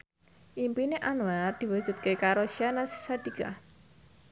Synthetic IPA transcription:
ʔimpineʔanward̪̥i̤wu̥ʒ̥ṳt̪̚kekaɾoʃianasi̥sad̪̥ika̰

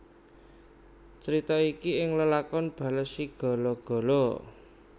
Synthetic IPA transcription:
t͡ʃɾit̪ɔikiɪŋləlakɔnb̥a̤ləsiɡ̥ɔ̤lɔɡ̥ɔ̤lɔ

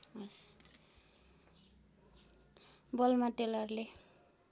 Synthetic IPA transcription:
ʌs | bʌlmaʈelʌrle

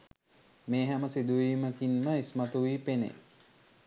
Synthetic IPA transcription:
meːɦæməsid̪uʋiːməkinːəismat̪uʋiːpenḛ

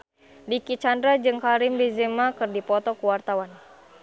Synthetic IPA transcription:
dikit͡ʃandɾad͡ʒɨŋkaɾimbezɛmakɨrdipɔt̪ɔkuwart̪awan

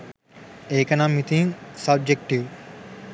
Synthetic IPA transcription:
eːkɐnamit̪iŋsɐb̚d͡ʒek̚ʈiʋ

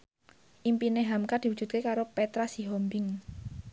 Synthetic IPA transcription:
ʔimpineɦamkad̪̥i̤wudd͡ʒ̥ṳt̪̚kekaɾopet̪ɾasiɦɔmbɪŋ

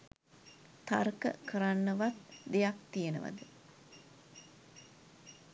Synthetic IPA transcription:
t̪arkə̰kəɾanːəʋat̪̚d̪ejakt̪ijenə̰ʋa̰d̪ə

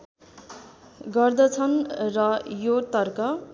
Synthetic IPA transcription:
ɡʌrd̪ʌt͡sʰʌnrʌjot̪ʌrkʌ

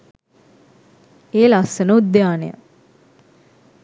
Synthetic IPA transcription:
eːlasənəud̪jaːneja̰

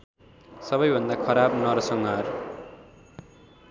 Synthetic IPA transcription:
sʌbʌjbʱʌnd̪akʰʌɾabnʌɾʌsʌŋɡʌɦʌɾu

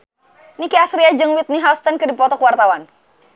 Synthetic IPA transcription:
nikiasɾiad͡ʒɨŋwit̪̚niɦawst̪ənkɨdipɔt̪ɔkuwart̪awan

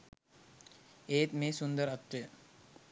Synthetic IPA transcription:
eːt̪meːsund̪əɾɐt̪ɾə

